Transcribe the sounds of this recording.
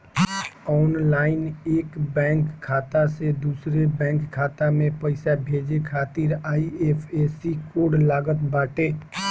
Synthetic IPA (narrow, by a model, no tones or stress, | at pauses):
ɔːnlaːɪneːkbɛ̃ːŋkʰːaːt̪ased̪uːsɾebɛ̃ːŋkʰːaːt̪amẽpəɪsabʱeːd͡ʒekʰaːt̪iːɾaːiepʰeːsikoːɖlaːɡət̪baːʈeː